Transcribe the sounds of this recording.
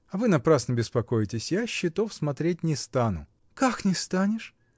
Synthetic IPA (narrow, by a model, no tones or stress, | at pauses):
ɐvɨnɐpɾasnəbʲɪspɐkojɪtʲɪsʲjaɕːɪt̪ofsmɐt̪ɾʲet̚ʲnʲɪst̪anʊ̰ | kaknʲɪst̪anʲɪʂ